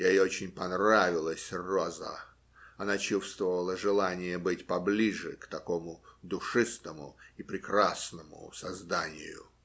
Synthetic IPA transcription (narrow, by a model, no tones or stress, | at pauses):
jaiot͡ɕɪnʲpɐnravʲɪlˠəsʲrozə̰ | ɐnat͡ɕufst̪vəvəlˠəʐɨlˠanʲɪjəbɨtʲpɐblʲiʐɨkt̪ɐko̞mʊd̪ʊʂɨst̪əmʊ̰ipɾʲɪkɾasnəmʊ̰sɐzd̪anʲɪ̰jʊ̰